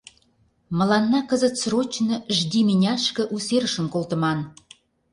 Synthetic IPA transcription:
mə̆lɑnːɑkəzə̆t̪srot͡ɕnɤ̆ʒd̪iminʲɑʃkə̆ʔuseɾəʃə̆mkolt̪ə̆mɑn

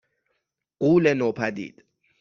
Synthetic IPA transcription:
k̬ʼulɛnɔpʰadḭːta

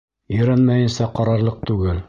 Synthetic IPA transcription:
ɵ̆jɾænmæjɘ̆nsæqɑɾɑɾlˠɤq̚t̪ʉɡɘl

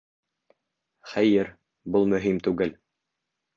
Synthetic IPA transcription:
χæjɘɾ | bulˠmɵ̆ɦimt̪ʉɡɘl

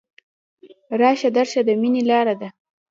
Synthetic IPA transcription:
ɾɑʃad̪aɾʃad̪əminelɑɾad̪a

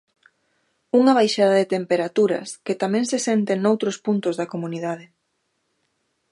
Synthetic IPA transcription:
uŋɐβ̞ajʃað̞ɐðet̪empeɾat̪uɾɐ̰sket̪amɛ̃ŋsesent̪eŋnowt̪ɾospunt̪ʊzðɐkomuniðað̞ɪ

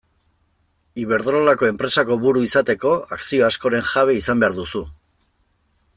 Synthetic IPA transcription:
iβ̞e̞ɾðɾolako̞e̞mpɾe̞sako̞βuɾuisat̪e̞ko̞aksio̞asko̞ɾe̞ŋʝaβ̞e̞isambe̞aɾðusu

